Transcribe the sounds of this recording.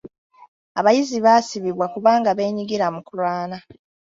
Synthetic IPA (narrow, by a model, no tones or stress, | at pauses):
aβajiziβasiβiβwakuβaːŋɡaβe̞ːɲiɡiɾamukulwaːna